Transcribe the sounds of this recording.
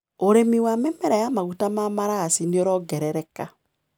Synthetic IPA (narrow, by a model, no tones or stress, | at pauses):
oɾemiwamɛmɛɾɛjamaɣutamamaɾasinioɾɔɡɛɾɛɾɛka